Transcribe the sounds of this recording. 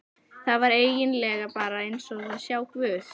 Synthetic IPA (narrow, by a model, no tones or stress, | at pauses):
θaðvaɾeːjɪnlɛːɣapaːɾaejnsɔɣðaðsjaːwkvʏːθ